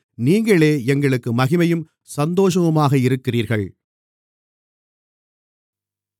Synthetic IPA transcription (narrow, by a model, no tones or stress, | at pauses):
niːŋɡɐɭeːɛŋɡɐɭɯkːɯmɐɣɪmɐjɯm | sɐnd̪oːʂɐʋɯmaːɣɐɪɾɯkːɪriːɾɣɐɭ